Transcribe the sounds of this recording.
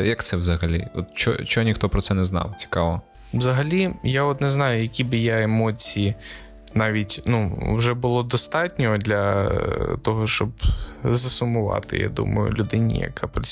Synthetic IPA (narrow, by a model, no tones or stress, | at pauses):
jɐkt̪sɛwzɐɦɐlʲḭɔ̰t̪t͡ʃɔ̰t͡ʃɔɔnʲixt̪ɔpɾɔsɛnɛznɑ̰wt͡sʲi̥kɑʋɔ | wzɐɦɐlʲijaɔt̪nɛznɑjʊjɐkʲibɪjaemɔt͡sʲiji | nɑʋʲitʲnuwʒɛbʊlˠɔd̪ɔst̪ɑtʲnʲɔɦɔd̪lʲɐ | t̪ɔɦɔʃt͡ʃɔbzɐsʊmʊʋɑ̰t̪ɪ̰ja̰d̪ṵmɐ̰jʊ̰lʲʊd̪ɪnʲḭjɐ̰kʰapɾt͡sʲ